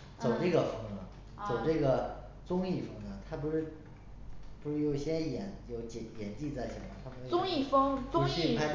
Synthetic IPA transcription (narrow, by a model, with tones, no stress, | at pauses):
t͡so˨˩ʊʈ͡ʂɤ˥˩ɡə˩fɤ˥ŋnə˨˩ | t͡so˨˩ʊʈ͡ʂɤ˥˩ɡə˩ | t͡sʊ˥ŋi˥˩fɤ˥ŋnə˨t̪ʰa˥pu˧˥ʂɻ̩˥˩ | pu˧˥ʂɻ̩˥˩jo˧˩ʊɕjɛ˥njɛ˨˩˦njo˧˥ʊt͡ɕɛ˧˩jɛ˨˩nt͡ɕi˥˧t͡sa˥˩ɪɕjɑ̰˨˩mə˨˩t̪ʰa˥pu˧˥˧ʊ˥ŋi˥˩fɤ˥ŋt͡sʊ˥˧ŋ˥ɕi˥˧pʰa˥